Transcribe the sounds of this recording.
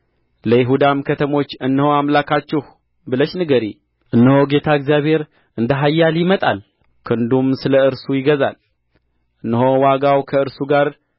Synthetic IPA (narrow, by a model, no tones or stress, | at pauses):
ləjɪɦud̪amkʰət̪ʰəmo̞t͡ʃːɨnːəhoamlakʰat͡ʃːɪh | bɨləʃnɨɡəɾi | ʔɨnːəhoɡe̞t̪ʰaəɡzijaβhe̞ɾ | ʔɨnd̪əɦajːaljɪmət̪ʼa̰l | kʰɨnd̪umsɨləɨɾsujɪɡəza̰l | ʔɨnːəɦowaɡawkʰəɨɾsuɡaɾ